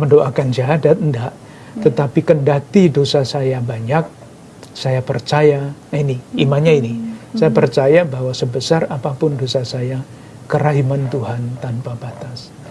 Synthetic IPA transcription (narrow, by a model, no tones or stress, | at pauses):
məndoʔakand͡ʒaɦadat̪̚ndaʔ | t̪ət̪apikəndat̪idosasajabaɲak̚ | sajapərt͡ʃajainiimaɲainisajapərt͡ʃajabahwasəbəsarapapʊndosasaja | kəɾaɦimant̪uɦant̪anpabat̪as